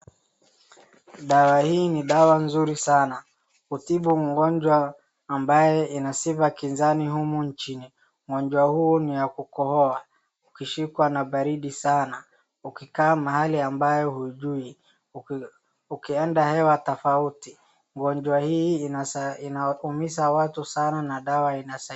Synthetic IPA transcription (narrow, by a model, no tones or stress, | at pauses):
ɗawahiːniɗawanzuɾisana | kutiɓuŋɡɔɲd͡ʒwaː | mbajɛinasivakinzanihumuɲt͡ʃini | ŋɔɲd͡ʒwahunijakukɔhɔa | ukiʃikwanaɓaɾiɗisana | ukikaːmahaliambajɔhuiʄui | ukiɛndahɛwatɔfauti | ŋɡɔɲd͡ʒwahi | inaumisawatusananaɗawainasa